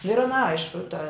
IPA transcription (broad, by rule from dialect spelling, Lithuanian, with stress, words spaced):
nʊ ɪr ɐn ˈɐɪʃkʊ tɐ